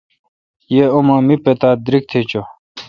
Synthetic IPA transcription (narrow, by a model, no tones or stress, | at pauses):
jeomãːmipet̪aːd̪ɾik̚t̪ʰet͡ɕo